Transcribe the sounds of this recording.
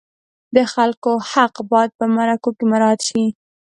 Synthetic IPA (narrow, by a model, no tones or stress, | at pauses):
d̪əxalkohaqbɑjad̪̚pəmaɾakokemaɾɑd̪ʃi